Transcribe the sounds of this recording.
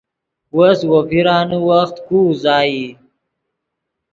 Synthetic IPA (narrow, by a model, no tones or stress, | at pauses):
woswopiɾɑːnuwaxt̪kuzɑːji